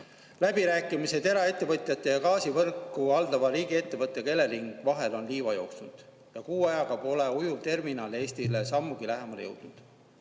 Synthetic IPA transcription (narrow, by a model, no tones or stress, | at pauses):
læbiɾæːkːˑimise̞t̪e̞ɾɑe̞t̪ːe̞vɤt̪ʲˑjɑt̪ːˑe̞jɑkɑːsivɤrkːuɑld̪ɑvɑɾiːɡie̞t̪ːe̞vɤt̪ːˑeke̞lːe̞liŋɡ̥vɑɦe̞lo̞nliːvɑjo̞ːksund̪̥ | jɑkuːɑjɑkɑpo̞leujut̪e̞rminɑːle̞ːsʲt̪ile̞sɑmːuɡilæɦe̞mɑlejɤ̰wd̪̥nud̪̥